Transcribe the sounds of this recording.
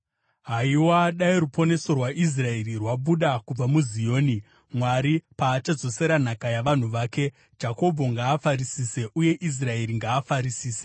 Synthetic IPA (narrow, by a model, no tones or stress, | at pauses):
ɦaiwaːɗaiɾupo̞ne̞so̞rwaʔis̬rae̞rirwaɓuɗakub͡vamuzijo̞ːni | mwaɾipaːt͡ʃad͡zo̞se̞ɾan̤akajaʋan̤uʋaːke̞ | d͡ʒako̞bʱo̞ŋɡaːfaɾisiːse̞ʔuje̞ʔis̬rae̞ɾiŋɡaːfaɾisiːse̥